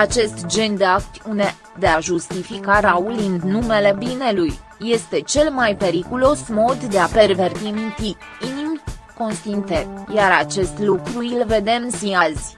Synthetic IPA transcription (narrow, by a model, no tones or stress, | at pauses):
at͡ʃe̞st̪d͡ʒe̞nd̪e̞akt̪und̪e̞ | d̪e̞aʒust̪ifikaɾaulɨnnume̞le̞bine̞lujːe̞st̪e̞t͡ʃe̞lmajpe̞ɾikulo̞smo̞d̪ːe̞ape̞rve̞rt̪inut̪it̪ | inimʲko̞nst̪int̪ejaɾat͡ʃe̞st̪lukɾuilve̞d̪e̞msiazʲ